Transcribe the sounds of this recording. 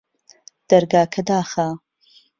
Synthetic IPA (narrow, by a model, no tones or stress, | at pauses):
d̪̥ɐɾɡaːkʰɐd̪aːxaː